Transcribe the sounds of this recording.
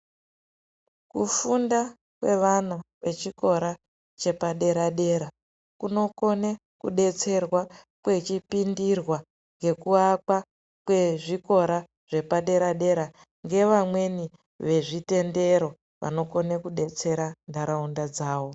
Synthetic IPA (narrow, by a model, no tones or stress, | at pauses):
kufunda | kwe̞ʋanaʋe̞t͡ʃiko̞ɾa | t͡ʃe̞paɗe̞ɾaɗe̞ɾa | kuno̞ko̞ne | kṵɗe̞t͡se̞rwa | kwe̞t͡ʃipindirwa | ŋɡe̞kuakwa | kwe̞ʐiko̞ɾa | ʐ̥e̞paɗe̞ɾaɗe̞ɾa | ŋɡe̞ʋamwe̞ni | ʋe̞ʐite̞nde̞ɾo̞ | ʋʔa̰no̞ko̞nekuɗe̞t͡se̞ɾandaɾaundad͡zaːʋo̞